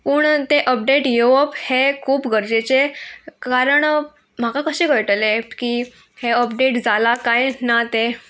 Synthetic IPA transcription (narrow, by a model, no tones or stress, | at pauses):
puːɳt̪eʔəp̚ɖeʈjeʋəphekʰuːpɡəɾd͡ʑet͡sekaɾəɳ | m̤akakəɕiːɡəjʈəleki | heəp̚ɖeʈd͡zalakajnat̪e